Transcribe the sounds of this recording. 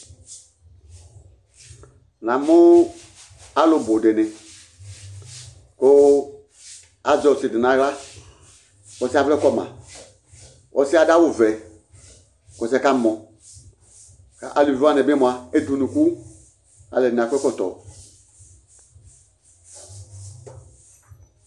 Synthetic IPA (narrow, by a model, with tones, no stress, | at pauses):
nã˨mʊ˦ | a˦lʊ˨bo˨de˨nɪ˨ | ko˦ | a˨zɔ˨sɪ˨dɪ˨nã˨˦ɣla˦ | kɔ˨sa˦vɛ˦kɔ˦mã̰˨ | ɔ˨sɪ˦a˦da˦wʊ˨vɛ˨ | kɔ˨sɛ˨˦ka˦˨mɔ˨ | ka̰˨ʔa˨li˨va˦˨nɪ˨bɪ˦mõ˨a˨e˦du˨nũ˨ku˦ | a̰˨lɛ˨a˨kʷɛ˦kɔ˦˨tɔ̰˨